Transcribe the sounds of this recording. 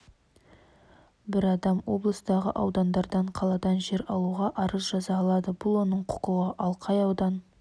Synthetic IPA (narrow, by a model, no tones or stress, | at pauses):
bɪɾɑd̪ɑmwo̞̰blˠəst̪ɑʁə̰ʔɑwd̪ɑnd̪ɑɾd̪ɑɴqʰɑlˠɑd̪ɑnʒe̞ɾɑlˠuʁɑʔɑɾəzʒɑzɑːlˠɑd̪əbʊlˠwo̞nəɴqʰʊ̥qəwəʔɑlˠqʰɑjɑwd̪ɑn